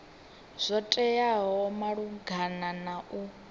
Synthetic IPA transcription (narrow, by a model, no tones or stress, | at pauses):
z̥ʷɔtʼɛjaɦɔmaɺuɡʱananaʔu